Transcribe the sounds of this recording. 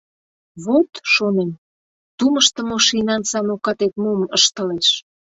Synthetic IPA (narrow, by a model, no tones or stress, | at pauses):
βot̪ʃonem | t̪uməʃt̪ə̆moʃinɑnsɑnokɑt̪et̪momə̰ʃt̪ə̆leʃ